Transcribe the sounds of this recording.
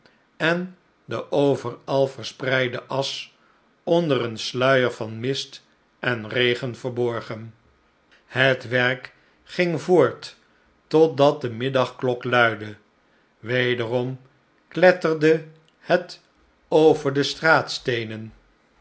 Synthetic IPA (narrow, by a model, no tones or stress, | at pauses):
ɛn | dəʔowvəɹɑlˠvəɹsprɛjdəʔɑs | ɔndəɾənslœɥəɹvɑnmɪst | ʔɛnrejχənvəɹbɔɹχən | hətʋɛɹk | χɪŋvoːɹt | ɔt̚dɑt̚dəmɪdɑχklɔklœɥdə | ʋejdərɔm | klɛtərdə | hət | owvəɹdəstraːtstejnən